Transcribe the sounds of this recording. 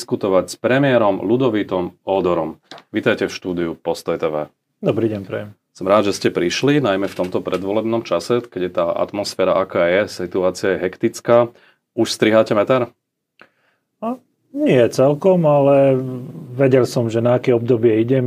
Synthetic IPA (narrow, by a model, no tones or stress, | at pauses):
skut̪ɔʋacspɾɛmɪɛɾɔmlud̪ɔʋiːt̪ɔmɔːd̪ɔɾɔmʋiːt̪ajcɛfʃt̪uːd̪iupɔst̪ɔjt̪ɛːʋɛ̰ː | d̪ɔbɾiːɟɛɲpɾɛ̰jɛm | sɔmɾaːd̪ʒɛscɛpɾiʃlinajmɛft̪ɔmt̪ɔpɾɛd̪ʋɔlɛbnɔmt͡ʃasɛkɛɟjɛt̪aːʔa̰t̪mɔsfɛːɾaʔakaːjɛsit̪uaːt͡siɪajɛɦɛkt̪it͡skaː | uʃst̪ɾiɦaːcɛmɛt̪aɾ | a | ɲɪɛt͡sɛlkɔmalɛ | ʋɛɟɛlsɔmʒɛnaːkɛɔbd̪ɔbɪɛiɟɛm